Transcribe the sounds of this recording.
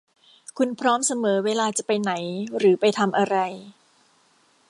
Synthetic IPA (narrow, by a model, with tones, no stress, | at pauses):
kʰu˧npʰɾɔː˦˥msa˧mɤː˩˦weː˧laː˧t͡ɕa˨˩pa˧jna˩˦jɾɯː˩˦pa˧jt̪ʰa˧mʔa˧ɾa˧j